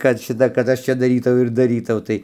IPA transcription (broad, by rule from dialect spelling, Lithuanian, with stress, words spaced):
kɐt ˈʃʲɪtɐ kɐt ˈɐʃ ˈt͡ʃʲɛ dɐˈrʲiːtɐʊ ɪr dɐˈrʲiːtɐʊ kɐt ˈʃʲɪtɐ kɐt ˈɐʃ ˈt͡ʃʲɛ dɐˈrʲiːtɐʊ ɪr dɐˈrʲiːtɐʊ ˈtɐɪ